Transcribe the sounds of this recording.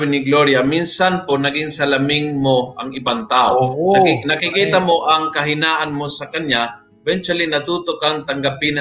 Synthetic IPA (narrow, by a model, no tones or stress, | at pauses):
bɪnɪɡloɾjaminsanponɐɡɪŋsɐlɐmɪŋmoɐŋɪbaŋt̪aːʔonɐkɪkiːt̪amoʔɐŋkɐɦɪnaːʔanmosɐkɐnja | ɛvɛnt͡ʃalinɐt̪uːt̪okaŋt̪ɐŋɡapɪnɐ